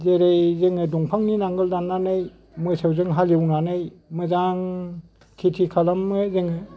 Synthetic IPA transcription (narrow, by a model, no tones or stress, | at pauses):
zeɾejzeŋɯdɔŋpʰaŋninaŋɡɯldanːanaj | mɯsewzɯŋɦalewnanajmɯzaŋ | tʰitʰikʰalamːɯzeŋɯ